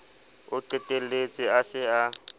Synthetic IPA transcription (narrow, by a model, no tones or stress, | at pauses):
ʊǀɪtʼelet͡sʼɪasɪa